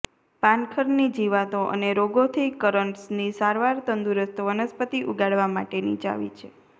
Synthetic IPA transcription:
pankʰəɾnid͡ʒiʋat̪oʔə̰neɾoɡot̪ʰikəɾəɳʈsnisaɾʋaɾt̪ənd̪uɾəst̪ʋənəspət̪iʔuɡaɽʋama̰ʈenḭt͡ʃa̰ʋḭt͡ʃʰe

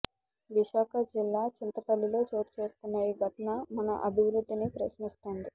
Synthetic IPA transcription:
ʋiʃaːkʰɐd͡ʒilːaːt͡ʃint̪ɐpɐlːilo̞ːt͡ʃo̞ːɾit͡ʃe̞ːst̪unːɐiɡʱɐʈɐnɐmɐnɐ̰ʔɐbʱiʋɾud̪ːinipɾɐʃnist̪oːnd̪i

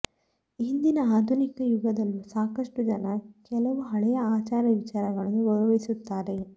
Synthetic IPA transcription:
ind̪inɐaːd̪ʱunikɐjuɡɐd̪ɐlːusaːkɐʂʈud͡ʒɐnɐkɛlɐʋuɦɐɭɛjɐaːt͡ʃaːɾɐʋit͡ʃaːɾɐɡɐɭɐnːuʋɔɭuʋɐisut̪ːaːɾe̞

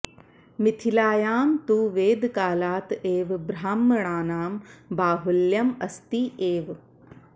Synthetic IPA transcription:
mɪt̪ʰilaːjaːmt̪uːʋeːd̪kaːlaːt̪eːʋbɾaːmːɳ̃aːnaːmbaːɦuljɐmɐst̪iʔeːʋ

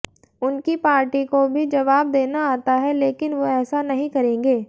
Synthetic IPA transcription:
ʊnkipaːɾʈikobʱid͡ʒɐʋaːb̚d̪eːnaaːt̪aɦɛleːkɪnʋoɛːsanɐɦĩkɐɾẽːŋɡeː

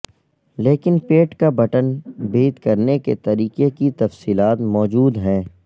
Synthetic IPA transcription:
leːkɪnpeːʈkabɐʈənbeːd̪kɐɾneket̪ɐɾiːqekit̪ɐfsiːlaːt̪mɔːd͡ʒuːd̪ɦɛ̃ː

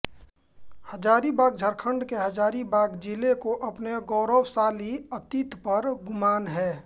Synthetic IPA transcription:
həd͡ʒaːɾibaːɡ̚d͡ʒʱəɾkʰə̃ɳɖkeɦəd͡ʒaːɾibaːɡd͡ʒilekoʔɐpneɡɔːɾoːwsaːliət̪it̪pəɾɡʊmaːnɦɛː

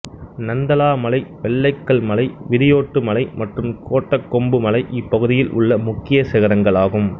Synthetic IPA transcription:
nɐnd̪ɐlaːmɐlɐɪʋɛɭːɐɪkːɐɭmɐlɐɪʋɪɾɪjoːʈːɯmɐlɐɪmɐʈrɯmkoːʈːɐkːɔmbɯmɐlɐɪʔɪpːɐɣɯðɪjɪlʔʊ̰ɭːɐmʊkːɪjɐsɪɣɐɾɐŋɡɐɭaːɣɯm

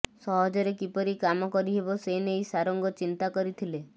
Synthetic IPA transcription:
sɔɦɔd͡ʒɔɾekipɔɾikamɔkɔɾiɦebɔseineisaɾɔŋɡɔt͡ʃint̪akɔɾit̪ʰile

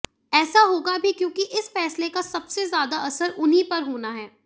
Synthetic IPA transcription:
ɛːsaɦoːɡabʱikjõːkiʔɪsfɛːslekasɐbsezjaːd̪aɐsəɾʔʊnɦipɐɾɦoːnaɦɛː

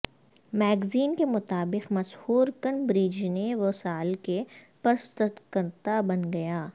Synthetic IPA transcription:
mɛːɡziːnkemʊt̪aːbɪqmɐshuːɾkənbɾid͡ʒneʋosaːlke | pɐɾst̪ət̪kəɾt̪abɐnɡɐjaː

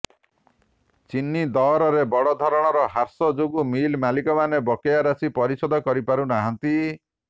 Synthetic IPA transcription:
t͡ʃinːid̪ɔɾɔɾebɔɽɔd̪ʱɔɾɔɽ̃ɔɾɔɦaɾsɔd͡ʒoɡumilmalikɔmanebɔkejaɾasipɔɾisɔd̪ʱɔkɔɾipaɾunaɦɔnt̪i

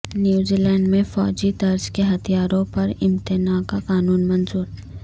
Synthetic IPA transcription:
njuːziːlɛ̃ːɳɖmẽfɔ̰ːd͡ʒid̪ɐɾzkeɦɐt̪ijaːɾõpɐɾɪmt̪ɪnakakaːnuːnmɐnzuːɾ

